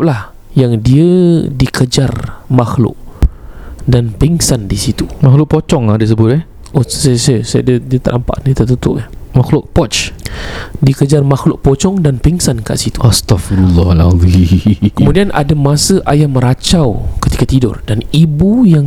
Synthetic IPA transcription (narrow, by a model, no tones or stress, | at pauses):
p̚lah | jaŋdiədikəd͡ʒarmaxlʊ̰ʔ̚ | danpiŋsandisit̪umaxlʊʔ̚pot͡ʃɔŋadis̬əbʊt̪̚ɛ | ʔosasasadiədiət̪əʔampa̰ʔnit̪at̪ut̪ʊʔamaxlʊʔ̚pɔt͡ʃ | dikəd͡ʒarmaxlʊʔ̚pot͡ʃɔŋdanpiŋsanka̰ʔsit̪u̥ast̪afiɾulːɑala̰ðikəmudianʔa̰damasəʔajaməɾat͡ʃawkət̪i̥kat̪idʊ̰rdanibujaŋ